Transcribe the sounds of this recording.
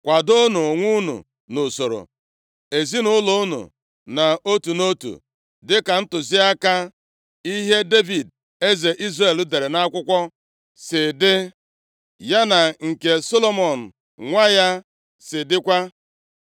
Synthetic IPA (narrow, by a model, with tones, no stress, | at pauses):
kʷa˨do˦nu˨o˨ŋʷu˦nṵ˨ | nʊ˨so˨ɾo̰˨ | e˨zi˦nʊ˦lo˦u˦nṵ˨ | na˨o˦tu˨no˦tṵ˨ | dɪ˦ka˨n̩˦tʊ˨zi˦a˦ka˦ | i˦ɦe˦de˦vi˨d | e˦ze˨ʔi˦zre˨l̩˦de˨ɾe˨na˦kʷʊ˦kʷɔ˦ | sɪ˨dɪ˦ | ja˦na˨ŋ̩˨ke˨so˦lo˦mɔ˨n̩˨ | ŋʷa˦ja˦ | sɪ˨dɪ˦kʷa˦